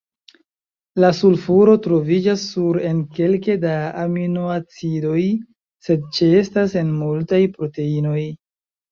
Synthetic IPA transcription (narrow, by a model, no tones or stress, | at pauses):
lasulfuɾo̞tɾo̞vid͡ʒasːuɾe̞nke̞lke̞daaminoat͡silo̞j | se̞d̚t͡ʃie̞stase̞nmultajpɾo̞te̞ino̞j